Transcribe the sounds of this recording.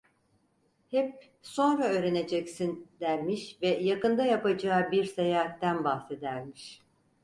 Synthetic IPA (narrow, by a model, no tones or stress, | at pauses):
hɛp̚ | so̞nɾaø̞ːɾe̞ne̞d͡ʒɛcsind̪æɾmiʃvɛjakɯnd̪ajapad͡ʒaːbiɾsajaːt̪t̪ːænbaxse̞d̪æɾmiʃ